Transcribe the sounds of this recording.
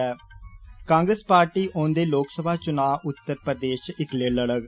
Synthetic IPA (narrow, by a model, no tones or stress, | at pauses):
ɛːkãːŋɡɾəspaːɾʈiːʔõːnd̪eːloːksəbʱaːt͡ʃʊnaːʔʊt̪ːəɾpɾəd̪eːʃɪkleːləɽəɡ